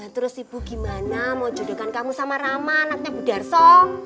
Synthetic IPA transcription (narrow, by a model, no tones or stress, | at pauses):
at̪əɾʊsib̥uɡ̥i̤manamɔd͡ʒɔ̤d̥o̤kankamusamaɾamanak̚ɲabud̥a̤rsɔ